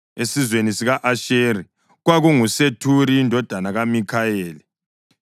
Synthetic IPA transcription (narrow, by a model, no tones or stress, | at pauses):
esizwenisiɣaʔaʃeːɾi | ɣwaɣuŋusetʰuɾiːndʱɔd̥ʱanaɣamikʰaeːli